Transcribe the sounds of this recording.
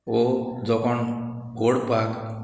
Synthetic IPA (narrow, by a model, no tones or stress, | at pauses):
od͡ʒɔkʰɔn | ɡoɽpak